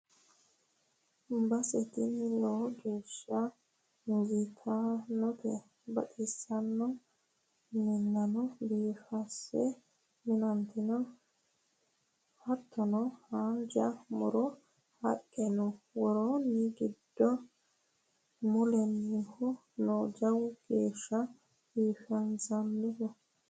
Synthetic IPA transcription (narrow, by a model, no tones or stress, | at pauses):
bɐsɛt̪inilɔd͡ʒuʃa | ŋɡit̪ʰanɔtɛ | bɐ̰ɗisːanːɔ | mɪnːɐnɔbiːfasːɛ | minant̪inɔ | hɐt̪ʰːɔnɔhaːnd͡ʒɐmʊ̰ɾɔ | hɐkʼːɛnɔwɔɾoːnːɪɡɪd̪ːɔ | mʊlɛnːɪhɔ | noːd͡ʒɐwɡ̥eːʃːɐ | b̥iːfɐnzɐnːɪkɔ